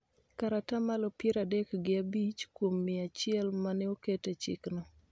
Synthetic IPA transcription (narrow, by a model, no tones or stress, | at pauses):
kaɾatamalopjeɾadekɡɪabit͡ʃkwomːɪat͡ʃɪɛlmanɛoketet͡ʃɪ̰knɔ